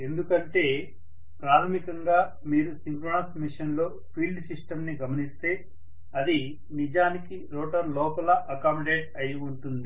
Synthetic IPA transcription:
e̞nd̪ukɐɳʈe̞ː | pɾaːt̪ʰɐmikɐŋɡaː | miːɾusiŋkɾoːnɐsmiʂɐnlo̞ː | pʰiːlɖsiʂʈɐmniɡɐmɐnist̪e̞ː | ɐd̪i | nid͡ʒaːnikiɾoːʈɐɾlɔːpɐlɐʔɐkaːmɐɖeːʈɐjiuɳʈund̪i

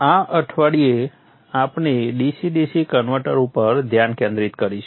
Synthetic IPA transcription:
aʔəʈʰʋaɽie | apneɖisiɖisikənʋəɾʈəɾupəɾd̪ʱjankẽnd̪ɾit̪kəɾiʃ

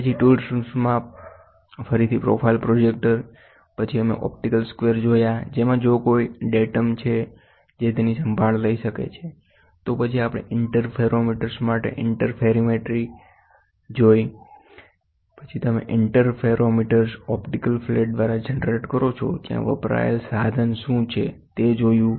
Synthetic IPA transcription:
pət͡ʃʰiʈulɖssmã | fəɾit̪ʰipɾo̰pʰailpɾod͡ʒek̚ʈəɾ | pət͡ʃʰiəmḛʔɔ̰p̚ʈikəlskʋeɾd͡ʒojad͡ʒemãd͡ʒokoiɖeʈəmt͡ʃʰe | d͡ʒet̪enisəmbʱaɭləiʃəkḛt͡ʃʰe | t̪opət͡ʃʰiapɽ̃ḛɪɳʈəɾpʰeɾomiʈəɾsmaʈḛʔɪɳʈəɾpʰeɾimeʈɾi | d͡ʒoj | pət͡ʃʰit̪əmḛʔɪɳʈəɾpʰeɾomiʈəɾsɔpʈikəlfleʈ̚d̪ʋaɾad͡ʒenɾeʈkəɾot͡ʃʰo̰d͡ʒjã̰ʋə̰pɾa̰jə̰lsad̪ʱənʃũt͡ʃʰet̪ed͡ʒojũ

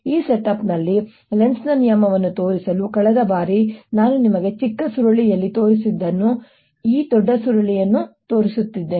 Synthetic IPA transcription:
iːseʈɐpnɐlːi | lensnɐnijɐmɐʋɐnːut̪o̞ːɾisɐlukɐɭɛd̪ɐbaːɾinaːnunimɐɡe̞t͡ʃikːɐsuɾɐɭijɐlːit̪o̞ːɾisid̪ːɐnːu | iːd̪ɔɖːɐsuɾɐɭijɐnːut̪o̞ːɾisut̪ːid̪ːe

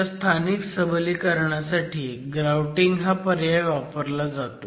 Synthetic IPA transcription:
st̪ʰaniksəbliːkəɾɳjasaʈʰiːɡɾawʈiŋɡɦapəɾjajʋapəɾlad͡zat̪o

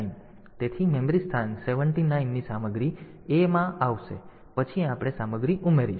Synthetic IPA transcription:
in | t̪et̪ʰimemɾist̪ʰanseʋəɳʈinainːisaməɡɾi | emãʔaʋʃḛ | pət͡ʃʰiapɽ̃esaməɡɾiʔumeɾi

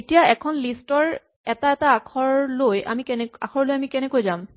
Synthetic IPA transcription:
etijaɛkʰɔnlistɔɹ | ɛtaɛtaakʰɔɹloja̰miknɛa̰kʰɔɹlojamikɛnɛkojzam

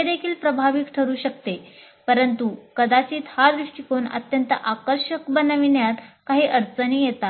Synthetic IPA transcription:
ed̪ekʰiːlpɾəbʱaʋikʈʰəɾuːɕəkt̪e | pəɾənt̪ukəd̪at͡ɕiːt̪had̪ɾuʂʈikonə̰t̪jənt̪ə̰ʔakəɾɕəkbənəʋinjat̪kaɦiːʔəɾt͡səniːjet̪a

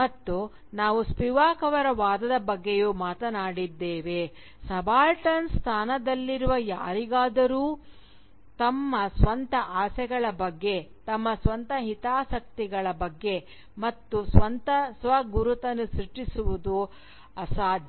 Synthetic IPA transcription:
mɐt̪ːu | naːʋuspiʋaːkɐʋɐɾɐʋaːd̪ɐd̪ɐbɐɡːejuːmaːt̪ɐnaːɽid̪ːeːʋe | sɐbaːlʈɐnst̪ʰaːnɐd̪ɐlːiɾuʋɐja̰ːɾiɡaːd̪ɐɾuː | t̪ɐmːɐsʋɐnt̪ɐʔaːsɛɡɐɭɐbɐɡːe̞t̪ɐmːɐsʋɐnt̪ɐɦit̪aːsɐk̚t̪iɡɐɭɐbɐɡːe̞ | mɐt̪ːusʋɐnt̪ɐsʋɐɡuɾut̪ɐnusɾiʈːisuʋud̪u | ɐsaːd̪ʱj

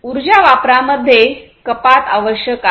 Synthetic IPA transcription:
uɾd͡ʑaʋapɾaməd̪ʱːje | kəpat̪aʋəɕjəka

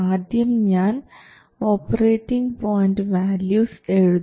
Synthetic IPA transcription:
aːd̪jɐmɲaːn | oːpɐɾeːʈːiŋɡpoːjɳʈʋæːljuːseɻud̪

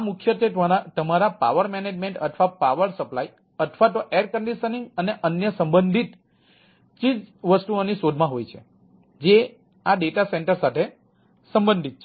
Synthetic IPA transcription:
amukʰjət̪ʰeat̪əmaɾapa̰ʋəɾmened͡ʒmẽɳʈə̰ʈ̪ʰʋapaʋəɾsəplai | ət̪ʰʋat̪oʔeɾkəɳɖiʃənĩŋɡəneʔənjəsəmbənd̪ʱit̪ | t͡ʃid͡ʒʋəst̪uonisod̪ʱmãɦojt͡ʃʰḛ | d͡ʒe | aɖeʈaseɳʈəɾsat̪ʰe | səmbənd̪ʱit̪̚t͡ʃʰ

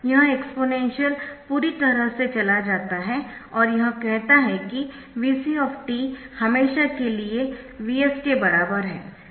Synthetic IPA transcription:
jɐɦãekspoːnɛ̃ːnʃijəlpuːɾit̪ɐɾəɦset͡ʃɐlad͡ʒaːt̪aɦɛɔːɾjɐɦãkɛɦt̪aɦɛki | ʋiːsiɔːfʰʈiːhɐmeːʃakelie | ʋiːɛskebɐɾaːbəɾɦɛ̰ː

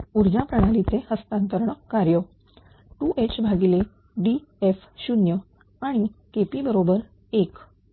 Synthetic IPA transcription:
uɾd͡ʑapɾəɽ̃alit͡sehəst̪ant̪əɾɳəkkːaɾjə | ʈuʔet͡ɕbʱaɡile | ɖief | ɕunjə | aɽ̃ikepibəɾobəɾ | ek

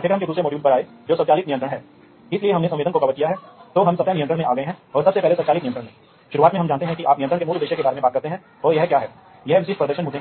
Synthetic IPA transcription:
ʈʰeːkəɾɦɐmked̪uːsɾemoːɖiuːlpɐɾaːe | d͡ʒoːsɐb̪t͡ʃaːliːt̪nɪjə̃nt̪ɾəɽɦɛː | ɪslieɦɐmnesɐ̃ʋeːd̪ənkokɐbəɾkijaɦɛːt̪oːɦɐmsɐb̚tanɪjə̃nt̪ɾəɽ̃mẽʔaːɡɐeɦɛ̃ɔːɾsɐbsepɛɦlesɐt͡ʃaːliːnɪj̃nt̪ɾə̃ɽmẽ | ʃʊɾuaːt̪mẽɦɐmd͡ʒaːnt̪eɦɛ̃kiʔaːpnɪjənt̪ɾəɽkemuːld̪eːʃekebaːɾemẽbaːt̪̚kɐɾt̪eɦɛ̃ | ɔːɾjɛɦkjaːɦɛ̰ː | jɛɦʋɪʃɪʈ̚pɾɐd̪əɾʃənmʊd͡ʒ̪ʱẽ

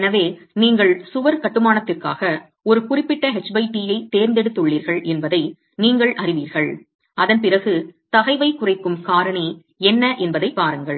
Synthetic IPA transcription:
nɐʋeːniːŋɡɐɭsʊʋɐɾkɐʈːɯmaːnɐt̪ːɪrka̰ːɣɐ | ɔɾɯkʊrɪpːɪʈːɐɦɛt͡ʃbɐɪʈijɐɪt̪eːɾnd̪ɛɽɯt̪ːɯɭːiːɾɣɐɭɛnbɐðɐɪ | niːŋɡɐɭʔɐrɪʋiːɾɣɐɭ | ɐðɐnpɪrɐɣɯt̪ɐɣɐɪʋɐɪkʊrɐɪkːɯmkaːɾɐɳi | ɛnːɐʔɛnbɐðɐɪpːaːɾɯŋɡɐɭ

